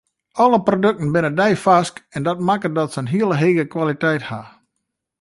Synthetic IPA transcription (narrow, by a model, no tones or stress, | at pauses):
ɔləprodøk̚tən̩bɪnədɛjfaskɛndɔt̚makədɔtsənɦiəlˠəɦeːɣəkwalitɛjtha